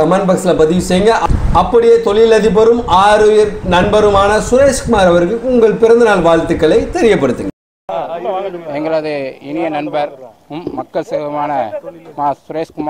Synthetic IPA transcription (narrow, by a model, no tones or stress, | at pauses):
ɐmɐnbɐksɪlɐpɐðɪʋɪsɛjŋɡɐʔɐpːɐɽɪjeːt̪ɔɭɪlɐðɪp̬ːɐɾɯmaːɾɯjɪɾnɐnbɐɾɯmaːnɐsʊɾeːʂkʊmaːɾɐʋɐɾɣɐɭkʊŋɡɐɭpɪɾɐnd̪ɯnaːɭʋaːlt̪ːɯkːɐɭɐɪt̪ɛɾɪjɐpːɐɽɯt̪ːɯŋɡɐ | ɛŋɡɐɭɐðɯɪnɪjɐnɐnbɐɾ | ʊmːɐkːɐɭseðɐmaːnɐmaːsʊɾeːskʊm